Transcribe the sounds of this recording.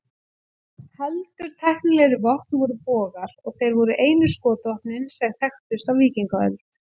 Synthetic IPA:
hɛlt̪ʏɾ̥t̪ʰɛhknɪlɛɾɪvɔht̪nvɔɾʏpɔːɣaɾ̥ɔɣθejɾvɔɾʏʔeːjnʏskɔːt̪ɔhpnɪnsɛɣθɛxt̪ʏst̪awviːciŋkaœ̰lt̪

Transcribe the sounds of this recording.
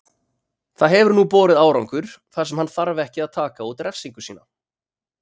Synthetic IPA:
θaðɦɛvʏɾnupɔːɾɪðaːwɾawŋkʏɾ̥θasɛmhanθaɾvɛhcɪaðt̪ʰaːkaut̪ɾɛfsiŋkʏ̥siːna̰

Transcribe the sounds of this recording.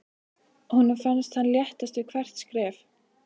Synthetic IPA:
hunʏmfanst̪hanljɛht̪ast̪ʏkʰvɛr̥t̪skɾɛːf

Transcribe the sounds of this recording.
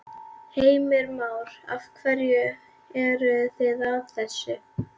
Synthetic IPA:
heːjmɪɾmaːwɾa̰fkʰvaɾjʏ | ɛɾʏθɪðavθɛsːʏ

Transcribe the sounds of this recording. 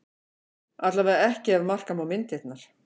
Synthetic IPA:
at̪lavɛðaɛhcɪavmar̥kamawmɪnt̪et̪naɾ̥

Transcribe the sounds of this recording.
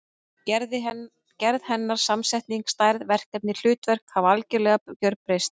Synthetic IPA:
cɛɾðhɛnːaɾ̥samsɛjht̪niŋkst̪aːjɾðvɛr̥k̪ɛp̚nɪl̥ʏːt̪vɛr̥kavalcɪlɛːɣacœɾpɾejst̪

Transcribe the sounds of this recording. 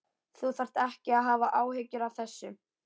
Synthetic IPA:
θuθar̥t̪ɛhcɪaðɦaːvaʔaːwhecʏɾawθɛsːʏ

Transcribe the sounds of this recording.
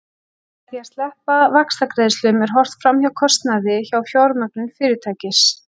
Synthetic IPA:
θiḁst̪lɛhpavakst̪akɾɛːðɪst̪ʏmɛɾ̥ɦɔr̥t̪fɾamçawkʰɔst̪naðɪçawfjawɾmœknʏnfɪːɾɪt̪ʰaːcɪs

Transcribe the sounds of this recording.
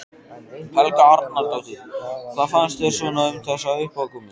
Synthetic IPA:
hɛlkaaɾt̪nalt̪awθiθaðfanst̪vɛɾ̥sɔnaʏmθɛsːaʏhpaðkɔmɪ

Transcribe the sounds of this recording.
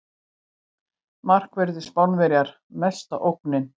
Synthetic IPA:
mar̥kvɛɾðɪspawnvɛɾjaɾ̥ | mɛst̪a̰ʔowhknɪn

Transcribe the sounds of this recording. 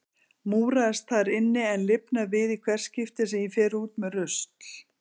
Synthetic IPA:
muːɾaðɪst̪θaɾɪnːɪɛnlɪpnavɪðikʰvɛr̥scɪft̪ɪsɛifɛːɾuːt̪mɛðrʏst̪l̥

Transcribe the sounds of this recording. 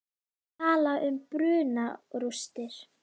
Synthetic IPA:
t̪ʰaːlaʔʏmpɾʏːnaɾust̪ɪɾ̥

